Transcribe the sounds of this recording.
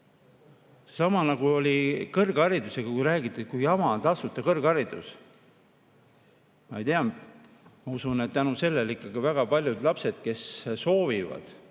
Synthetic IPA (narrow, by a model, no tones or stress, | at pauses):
sesɑmɑnɑɡ̥uo̞lʲikɤrɡ̥ɑɾid̪useɡ̥ɑkujɾæːɡ̥it̪ːˑet̪kujɑmɑt̪ɑsut̪ːˑɑkɤrɡ̥ɑɾid̪̥ṵs | mɑejt̪eɑ | mɑusunet̪t̪ːænuse̞lːelikːˑɑɡ̥ivæɡ̥ɑpɑlʲjud̪lɑpse̞d̪̥̚ke̞sso̞ːvivɑ̰d̪̥